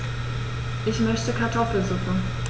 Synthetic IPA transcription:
ʔɪçmœçtəkʰatʰɔfl̩zʊkŋ̩

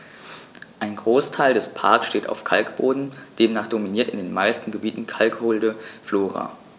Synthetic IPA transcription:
ʔaɪnɡʁoːstʰaɪldɛspʰa̰ɐksʃteːta̰ʊfkʰalkb̥oːdn̩d̥eːmnaːχd̥ominiːɐtɪndeːnmaɪstn̩ɡəbiːtn̩kʰalkhʊldəfloːʁa̰ː

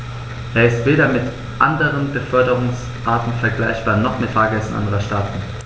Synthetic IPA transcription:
ʔeːɐɪstv̥eːɾɐmɪt | ʔandəʁənbəfœɐdəʁʊŋs | ʔaːɐtn̩fɛɐɡlaɪçb̥aːɐnɔχmɪtfaːɐɡɛsn̩ʔa̰ndəʁɐʃtaːtn̩

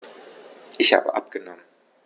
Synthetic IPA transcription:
ʔɪçha̰ːbə̰ʔap̚ɡ̥ənɔmən

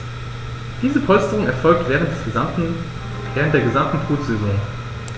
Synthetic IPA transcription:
d̥iːzəpʰɔlstəʁʊŋɛɐfɔlk̚tvʁə | vɛːʁəntd̥eːɐɡəzamtn̩tʰoːtz̥ɛzɔŋ

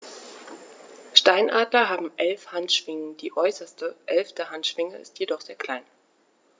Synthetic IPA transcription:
ʃtaɪnʔaːdlɐɦaːbm̩ʔɛlfhantʃv̥ɪŋənd̥iːʔɔʏsɐstəʔɛlftəhantʃv̥ɪŋəɪ̰stʰjedɔχz̥eːɐkʰl̥aɪn

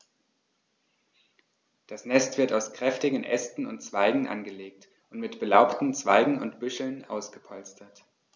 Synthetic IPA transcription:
d̥asnɛstv̥ɪɐtaʊskʁ̥ɛftɪɡn̩ʔɛ̰stn̩ʊntt͡sv̥aɪɡŋ̩ʔa̰nɡəleːk̚t | ʔʊntmɪtb̥əlaʊptn̩t͡sv̥aɪɡŋ̩ʊ̰ntb̥ʏʃl̩nʔa̰ʊsɡ̥əpʰɔlstʰɐt

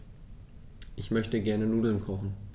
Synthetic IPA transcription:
ʔɪçmœçtəɡɛɐnənuːdl̩nkʰɔχn̩

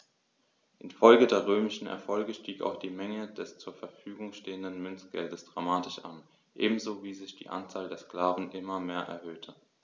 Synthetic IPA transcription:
ʔɪnfɔlɡədeːɐʁ̞øːmɪʃn̩ɛ̰ɐfɔlɡəʃtiːka̰ʊxd̥iːmɛŋədɛst͡suːɐfɛɐfyːɡʊŋʃteːəndənmʏnt͡sɡ̥ɛldəsd̥ʁamaːtɪʃʔa̰n | ʔḛːbm̩zoːviːzɪçd̥ḭːʔa̰nt͡saːldeːɐskl̥aːvn̩ʔɪmɐmeːɐʔɛ̰ɐɦøːtʰə

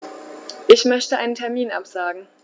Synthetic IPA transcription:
ʔɪçmœçtəʔaɪnəntʰɛɐmiːnʔa̰pz̥aːɡŋ̩

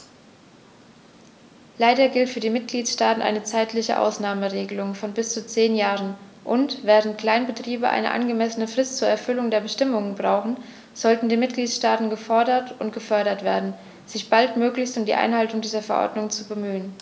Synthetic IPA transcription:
laɪdɐɡɪltfyːɐdiːmɪt̚ɡ̥liːtʃtaːtn̩ʔa̰ɪnət͡saɪtʰlɪçə̰ʔa̰ʊsnaːməʁeːɡəlʊŋfɔnbɪst͡sut͡seːnjaːʁən | ʔʊntv̥ɛːʁ̞əntkl̥aɪnbətʁ̥iːbəʔa̰ɪnə̰ʔa̰nɡəmɛsənəfʁ̥ɪst̚t͡suːɐɛɐfʏlʊŋdeːɐbəʃtɪmʊŋənbʁaʊxn̩ | z̥ɔltn̩diːmɪt̚ɡ̥liːtʃtaːtn̩ɡəfɔɐdɐtʔʊntɡ̥əfœɐɾɐtv̥eːɐdn̩ | z̥ɪçb̥altmøːklɪçstʊmdiːʔa̰ɪnɦaltʊŋdiːzɐfɛɐʔɔ̰ɐdnʊŋt͡subəmyːən

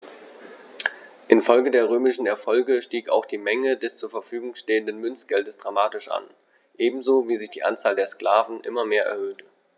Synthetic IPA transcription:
ʔɪnfɔlɡədeːɐʁ̞øːmɪʃn̩ɛɐfɔlɡəʃtiːka̰ʊxd̥iːmɛŋədɛst͡suːɐfɛɐfyːɡʊŋʃteːəndənmʏnt͡sɡ̥ɛldəsd̥ʁamaːtɪʃʔa̰n | ʔeːbm̩zoːviːzɪçd̥iːʔa̰nt͡saːldeːɐskl̥aːvn̩ʔɪ̰mɐmeːɐʔɛ̰ɐhøːtə

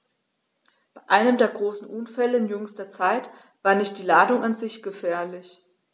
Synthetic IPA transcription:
b̥aɪʔaɪnəmdeːɐɡʁoːsn̩ʔʊnfɛləɪnjʏŋstɐt͡saɪt | v̥aːɐnɪçt̚d̥iːlaːdʊŋʔanzɪçɡ̥əfɛːɐlɪç

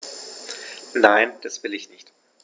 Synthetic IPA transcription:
naɪnd̥asv̥ɪlɪçnɪçt

